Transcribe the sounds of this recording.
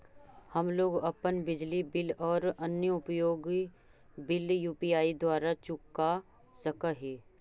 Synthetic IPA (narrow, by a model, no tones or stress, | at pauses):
hɐmloːɡɐpənbɪd͡ʒlibɪlɔːɾɐnjəʊpjoːɡi | bɪljuːpiaːid̪waːɾat͡ʃʊkːa | səkaɦɛː